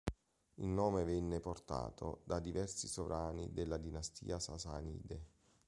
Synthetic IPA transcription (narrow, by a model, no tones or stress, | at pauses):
ilnɔːmevɛnːeport̪a̰ːt̪ʰo̰d̪ad̪ivɛrsisovɾaːnḭd̪elːad̪inast̪ḭːasasa̰nḭːd̪e